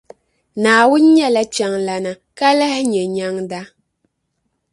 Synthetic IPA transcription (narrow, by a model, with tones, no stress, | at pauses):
naː˨wʊ˦n˦ɲɛ˦la˦t͡ʃa˦ŋla˨na˨ | ka˦la˦hɪ˦ɲɛ˨ɲa˦ŋda˦